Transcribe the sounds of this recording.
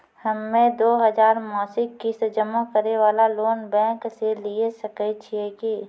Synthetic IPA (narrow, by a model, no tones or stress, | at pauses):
həmːẽd̪oːɦəzaːɾmɔːsɪkːisd͡ʒəmãkəɾeʋaːlaloːnbɛ̃ːkseliesəkət͡ʃʰeki